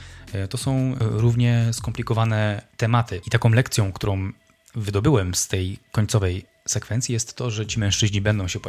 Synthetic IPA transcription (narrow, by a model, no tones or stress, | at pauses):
t̪ɔsɔ̃w̃ɾuvɲɛskɔmplʲikɔvanɛt̪ɛmat̪ɘit̪akɔ̃w̃lɛkt̪sʲjɔ̃w̃kt̪uɾɔ̃w̃ | vɘd̪ɔbɘwɛmst̪ɛjkɔɲt̪sɔvɛj | sɛkfɛnt̪sʲjijɛst̪ːɔʐɛt͡ɕimɛ̃w̃ʂt͡ʂɘʑɲibɛnd̪ɔ̃w̃ɕɛpɔ